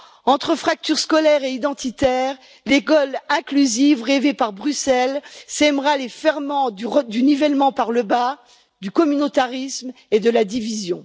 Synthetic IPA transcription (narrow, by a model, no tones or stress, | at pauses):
ɑ̃t̪χəfχak̚t̪yʁskɔlɛʁeid̪ɑ̃t̪it̪ɛʁ | lekɔlɛ̃klyzivʁevepaʁbʁysɛlsɛmʁalefɛʁmɑ̃d̪d̪ynivɛlmɑ̃paʁləba | d̪ykɔmynot̪aʁism | ed̪əlad̪ivizjɔ̃